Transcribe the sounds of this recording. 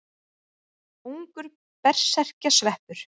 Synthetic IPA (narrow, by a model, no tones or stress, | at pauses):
uŋkʏɾ | pɛr̥sɛr̥casvɛhpʏɾ̥